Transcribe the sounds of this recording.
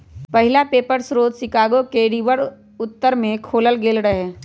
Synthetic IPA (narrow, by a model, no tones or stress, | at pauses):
pɐɦɪlapeːpəɾsɾoːd̪sɪkaːɡokeɾiːʋəɽ | ʊt̪ːəɾmẽkʰoːləlɡeːlɾɐɦeː